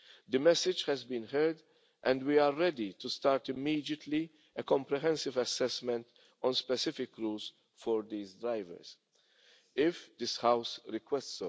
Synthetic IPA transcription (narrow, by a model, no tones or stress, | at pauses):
d̪ɨmɛsɪd͡ʒhɛzbĩːnɦɛɾd̪ | ʔɛ̃nd̪wiːaːɛd̪it̪ust̪aːɾt̪ɪmːiːd̪jət̪li | ɛkɔ̃mpɾɛɦɛ̃nsɪvɐsɛsmɛ̃nt̪ | ʔɔ̃nspɛsɪfɪkɾuːls | fɔɾd̪iːzd̪ɾaɪvə̰ɾs | ɪfd̪ɪshɐwsɾɪkwɛsts